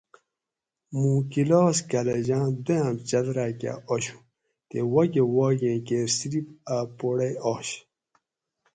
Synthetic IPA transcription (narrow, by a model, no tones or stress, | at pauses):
mũːkiloːskaleʑãːd̪ojãmt͡ɕɐd̪ɾaːka̰oɕu̥ | t̪ewɐɡewaːɡẽːkeːɾsiɾipapoɽeoːɕ